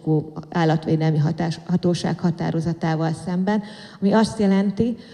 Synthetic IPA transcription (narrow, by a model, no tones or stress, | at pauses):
koːaːlːɒt̪ʋeːd̪ɛlmiɦhɒt̪oːʃa̰ːkhɒt̪a̰ːɾo̞zɒt̪aːvɒlsɛmbɛn | ɒmiɒst̪jɛlɛnt̪i